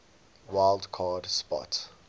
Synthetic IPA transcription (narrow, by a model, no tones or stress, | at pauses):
waɪldkʰɑːdspɔ̰t